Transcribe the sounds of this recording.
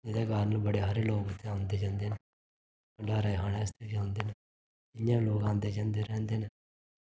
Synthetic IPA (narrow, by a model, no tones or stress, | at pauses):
eːd̪eːɡaːɾnəbəɽeːɦaɾeloːɡʊt̪ʰːeãːnd̪eːd͡ʒãːnd̪eːne | kəɳɖaːɾaːjɦaːnest̪ed͡ʒãːnd̪eːne | ɪjãːloːɡãːnd̪eːd͡ʒãːnd̪eɾɛ̃ːnd̪eːne